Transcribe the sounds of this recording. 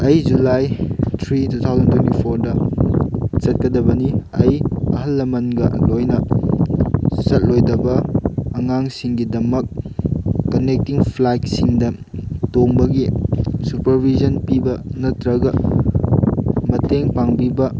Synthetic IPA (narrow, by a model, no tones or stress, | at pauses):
ɐjd͡ʒulajtʰɾitut̪ʰawzɐntwentipʰoɾdɐ | t͡ʃɐt̚kɐdɐbɐniɐjɐ̰ɦɐlːɐmɐnɡɐlojnɐ | sɐt̚lojdɐbɐːŋaŋsiŋɡidɐmɐk̚ː | ɐnek̚tiŋpʰlajk̚siŋdɐ | toŋbɐɡisupɐɾbʱizɐnpibɐnɐtɾɐɡɐ | mɐteŋpaŋbibɐ